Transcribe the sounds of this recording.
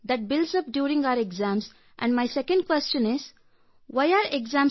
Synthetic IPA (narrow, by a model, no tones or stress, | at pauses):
d̪æʈ̚bɪlsʌp̚ɖjuːɾĩŋɡaʊəɾeɡzæ̃ːms | ʔɛ̰̃ɳɖmaɪsɛkə̃ɳɖ̚kwɛst͡ʃə̃nɪz | waɪaːɾeɡzãːm